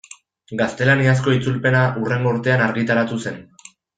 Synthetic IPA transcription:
ɡast̪e̞lanias̬ko̞it͡sulpe̞naʔure̞ŋɡo̞uɾt̪e̞anaɾɣit̪aɾat̪use̞n

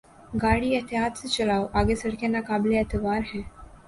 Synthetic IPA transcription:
ɡaɽiːjət̪ʰiɦat͡st͡ɕəlawʔaɡesəɽkanːakableət̪əʋaɾɦɛ̃

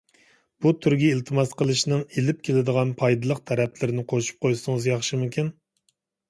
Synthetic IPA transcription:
b̥ut̪ʰyɾɡʲiːlt̪ʰɨmɑsqəlˠɨʃnɨŋelɪp̚kʲʰelɪd̪əʁɑnpʰɑjd̪ɨlˠəqt̪ʰɛɾɛpʰlɪɾɪnɪqʰoʃu̥p̚qʰojsɨŋɨzjɑχʃɨmukʲin

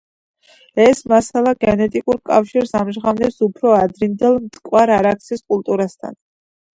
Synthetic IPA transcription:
ɛsmasalˠaɡɛnɛt̪ʼikʼuɾkʼafʃiɾsamʒʁavnɛpsupʰɾɔad̪ɾind̪ɛlˠmt̪ʼkʼwaɾaɾak̚t̪sʰiskʼulˠt̪ʼuɾast̪ʰa̰n

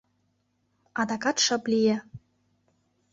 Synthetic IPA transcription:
ɑd̪ɑkɑt̪ʃɤ̆plʲijĕ

